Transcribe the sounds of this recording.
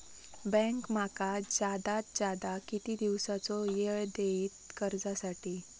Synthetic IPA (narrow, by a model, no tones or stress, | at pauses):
bɛ̃ŋkm̤akad͡zad̪at̪̚d͡ʑad̪akit̪iːd̪iʋsat͡sɔjeɭd̪eiːt̪kəɾd͡zasaʈiː